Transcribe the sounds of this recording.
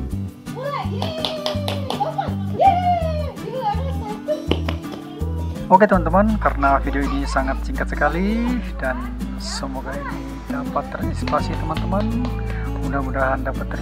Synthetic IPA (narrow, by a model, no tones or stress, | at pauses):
oket̪əmant̪əmankaɾənafideoinisaŋat̪̚t͡ʃiŋkat̪̚səkalid̥an | səmoɡaini | dapat̪ːərispasit̪əmant̪əmanmudahmudaɦandapat̪ːər